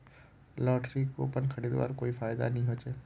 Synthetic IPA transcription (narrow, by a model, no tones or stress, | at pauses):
lɔːʈɾiko̰ːpənkʰɐɽiːd̪ʋa̰ːɾkoːifaːjd̪a̰nɐɦĩɦoːt͡ʃeː